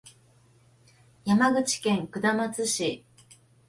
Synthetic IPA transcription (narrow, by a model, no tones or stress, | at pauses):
jamaɡɯ̟t͡ɕi̥kẽ̞ŋkɯ̟d̪amat͡sɨɕi